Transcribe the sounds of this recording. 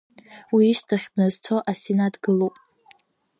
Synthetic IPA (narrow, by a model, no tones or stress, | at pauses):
wiːʃtʰaχʲdnɨzt͡sʰo̞ʔasenadɡɨlowpʼ